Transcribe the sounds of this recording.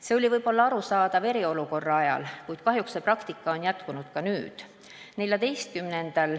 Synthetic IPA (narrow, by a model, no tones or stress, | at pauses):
se̞o̞lʲivɤjbo̞lːɑɑɾusɑːd̪̥ɑve̞ɾio̞luko̞rːɑɑjɑ̰lkujd̪̥kɑɦjuksːe̞prɑkt̪ikˑːɑo̞njæt̪kunud̪̥kɑnyːd̪̥ | ne̞lʲjɑd̪e̞jst̪̚kymnend̪̥ɑl